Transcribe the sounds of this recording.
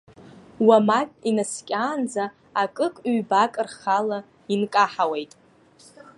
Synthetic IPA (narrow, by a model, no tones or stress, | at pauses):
wamakinaskʲʼaːnd͡za | akʼɨkʼɥbakʼɨrχala | inkʼaħawejtʼ